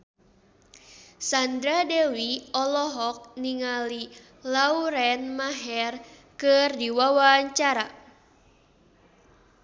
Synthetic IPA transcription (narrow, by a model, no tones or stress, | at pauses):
sand̪ɾadɛwiɔlɔɦɔk̚niŋali | lauɾɛnmaɦɛr | kɨrdiwawaɲt͡ʃaɾa